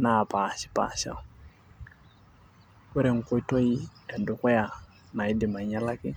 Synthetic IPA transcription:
na˨pa˨ʃi̥˦pa̰˨ʃa̰˨ | kɛ˦ɾɛ˨ŋ̩˨kɔ˦tɔ˦i˦ɛ˨ndʊ˨kɛ˦ja˨ | na˨i˦dɪ˨ma˨ɲa˦la˦kɪ˦

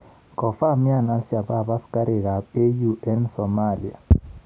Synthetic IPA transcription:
kɔ˨fa˦˨mja˦˨na˦lsja˨ba˦˨ba˦ska˦ɾe˨ɡa˨pe˦ju˦ʔɛ˦nsɔ˨ma˦˨li˨a̰˨

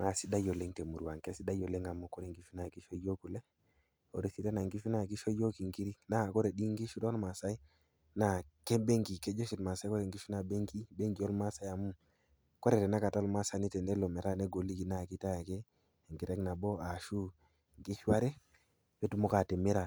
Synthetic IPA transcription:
ma˨si˦da˦jo˨le˦ŋte˨mu˨ɾu˨wa˨ŋke˦si˦da˦jo˨le˦ŋa˨mu˦ko˦ɾe˨ŋɡi˦fi˦na˨ki˦ʃo˦jo˦ku˨le˦ | o̰˨ɾe˨si˨te˦na˨ŋɡi˦fi˦na˦˨ki˦ʃo˦jo˦ki˨ŋɡi˦ɾi˦na˦˨ko˦ɾe˨ɗi˦ŋɡi˦ʃu˦do˦nma˨sa˦i˦ | na˦˨ke˦be˦ŋɡi˨ke˦d͡ʒo˦ʃi˨tma˨sa˦ko˦ɾe˨ŋɡi˦fi˦na˨be˦ŋki˦be˦ŋɡi˨jo˦lma˦sa˨ja˨mu˦m | ko˦ɾe˨ɾe˨na˦ka˨ta˦lma˦sa˨ni˦te˨ne˦lo˨me˨ɾa˦ne˦ɡo˨li˦ki˨na˦˨ki˦ta˦ja˨ke˦˨ | ŋɡi˨ɾe˦kna˨bo˦a˨ʃu˦ | ŋɡi˦ʃwa˦ɾe˦ | be˦tu˦mo˦ka˨te˨me˦ɾa˨

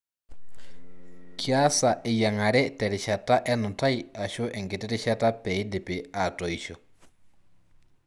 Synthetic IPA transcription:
kja˦sa˨ʔɪ˨ja˨ŋa˨ɾɛ˦tɛ˨ɾɪ˨ʃa˨ta˦ʔɛ˦nʊ˨nta˦i˦a˨ʃo˦ʔɛ˨ŋɡɪ˨tɪ˦ɾɪ˦ʃa˦ta˦pɛ˨i˦dɪ˨pɪ˨a˨tɔ˨i˨ʃɔ˨

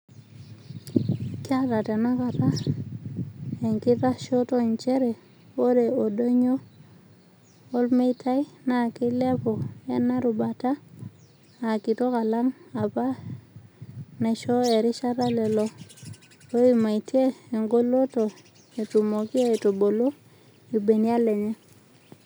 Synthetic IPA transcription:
ki˦a˦ɾa˨te˨no˦ka˨ta˦ | e˨ŋki˦ta˦ʃo˦to˦ɲt͡ʃe˦ɾe˨ | wo˦ɾe˨o˨do˦ɲo˦ | lme˦tʰa˦jna˨ki˦le˦po˨e˦na˦ɾu˨ba˨ta˦ | a˨ki˨to˦ka˨la˦ŋa˨pa˦ | ne˨ʃo˦e˨ɾi˦ʃa˦ɾa˦le˨lo˨ | o˦i˨ma˨i˨ti˦e˦e˨ŋɡo˦lo˦to˨ | e˨tu˨mo˨ki˦e˦e˨to˨bo˨lo˦ | i˨be˨ni˦a˦le˨ɲe˦

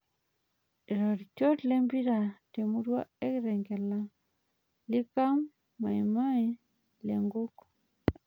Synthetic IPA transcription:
e˨ɾɔ˨ɾi˨t͡ʃo˦tle˦mbi˦ɾa˨te˨mu˦ɾwa˦e˦kɾɛ˨ŋɡɛ˨la˦ | li˦ka˦mː | a˨i˨ma˦i˦ | lḛ˨ŋɡo˦k

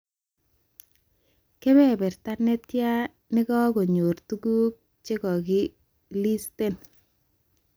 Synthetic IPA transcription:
ke˦bɛ˦bɛ˨rta˦ne˦tja˦ | nɪ˦kɔ˦ɡo˨ɲo˨rtu˦ɡu˦k̚ | t͡ʃe˦kɔ˨kɪ˦ | li˦ste˦n

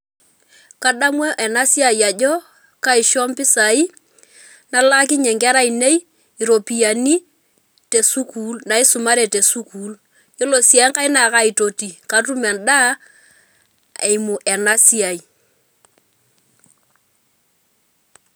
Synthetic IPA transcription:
ka˨ɗa˦mwɔ˦ʔɛ˨na˦si˦a˨ja˨d͡ʒɔ˦ | ka˦i˨ʃɔ˦mpɪ˦sa˨i˦ | na˦la˦k̬i˦ɲɛ˨ŋɡɛ˦ɾa˦i˨ne˦j | i˨ɾo˨pi˨ja˨ni˦ | te˨su˦kuː˨˦lna˨i˦sʊ˨ma˦ɾe˨te˨su˦kuː˦l | jo˦lo˨si˨a˦ŋka˦i˦na˨ka˦i˨to˨ti˨ka˦tu˦mɛ˨nda˦ | e˨jmu˨ʔɛ˨na˦si˦a˨i˨

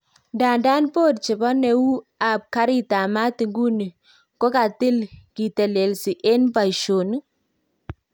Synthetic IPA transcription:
nda˨nda˦npo˦t̚t͡ʃɪ˨bɔ˦nɛ˨u˦ | a˨p̚ka˦ɾi˦ta˨ma˦ti˨ŋɡu˦ni˨ | ko˦ka˨tɪ˦lki˨tɛ˨le˨lsi˨ʔe˦npa˨i˨ʃo˨n˦

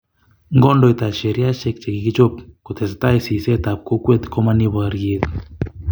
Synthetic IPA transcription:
ŋɡɔ˦ndɔ˨i˨t̪a˨ʃe˨ɾi˦a˦ʃɛ˦k̚t͡ʃe˨ki˨ki˦t͡ʃo˦p̚ko˨t̪ʰɛ˨st̪a˦e˦si˨sɛ˦t̪a˨p̚ko˦kwe˦t̪ko˦ma˦ni˦βa˨ɾe˦t̪

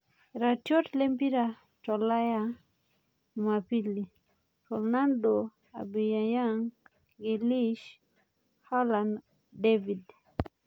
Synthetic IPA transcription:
ɾa˨tjo˦tle˦mpi˦ɾa˨ | to˨la˦ja | ma˨pi˦li˨ | fo˨ɾna˦ndo | a̰˨bi˨ja˨ja˦ŋ | ɡe˨li˦ʃ | ha˦lan | devi˨d

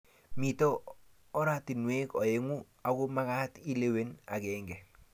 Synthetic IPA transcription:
mi˨toː˦ | ɾa˦ti˨nwe˦kɔ˨e˦ŋu˦ | a˨kʊ˦ma˦ka˦ti˦le˦we˦na̰˨kɛːŋɡɛ˨

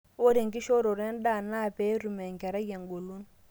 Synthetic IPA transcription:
wo˦ɾe˨ŋki˦ʃɔ˦ɾo˨ɾɛ˦n˦ɗa˦˨na˦˨pɛ˦ɾu˨mɛ˨ŋ˨kɛ˨ɾa˦je˨ŋɡo˨lu˦n

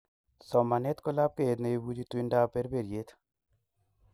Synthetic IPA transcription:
sɔ˨mːa˨nɛ˦t̪kɔ˦la˦b̚ke˦e˨t̪ne˨e˦bu˦d͡ʒi˦t̪wɪ˦nda˦pe˦ɾbe˨ɾje˦t̪

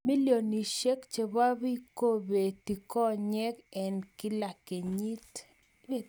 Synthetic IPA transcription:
mi˦ljo˨ni˨ʃe˦kt͡ʃe˨ba˦βi˦ko˦be˨ti˨kɔ˦ɲɛ˦kɛ˨nkɪ˦la˨ke˨ɲi˦t

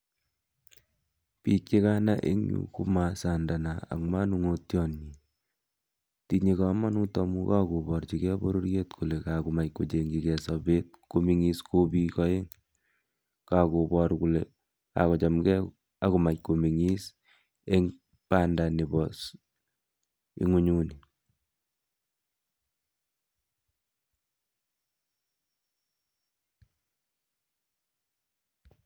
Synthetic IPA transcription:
pikt͡ʃe˦ka˦na˦ʔḛ˦ŋɲṵ˨kṵ˦ma˨sanda˨na˨a̰˨ŋma˦nu˦ŋo˦tjɔ˦nɲi | ti˦ɲe˨ka˨ma˦nu˦tɔ˨mu˦ka˦ku˨bɔ˨ɾt͡ʃikɛ˦bo̰˦ɾo˦ɾjetkʰu˨le˨ka˨ku˨ma˨cko˨t͡ʃe˨ŋɡikɛ˨sabe˦t̚ko˦mi˦ŋi˦sko˦bi˦kɔe˦ŋ | ka˨kobɔɾkule | a̰˨kɔ˨t͡ʃɔ˨mɡɛ˦ | a˦ku˨ma˨c̚ko˨mi˨ŋi˦s | e˦ŋ | pa˦nda˨ni˨bɔs | ḭ˦ŋu˦ɲu˦ni

